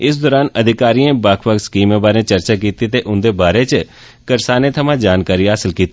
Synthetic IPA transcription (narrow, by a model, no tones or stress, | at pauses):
ɪs̬d̪ɔːɾaːnəd̪ʱɪkaːɾiːẽːbakʰpəkskiːmẽːbaːɾẽːt͡ʃəɾt͡ʃaːk̬iːt̪iːt̪eːʔʊnd̪eːbaːɾeːt͡ʃə | kəɾsaːneːt̪ʰəmãːd͡ʒaːnkaːɾiːɦaːsɪlkiːt̪ː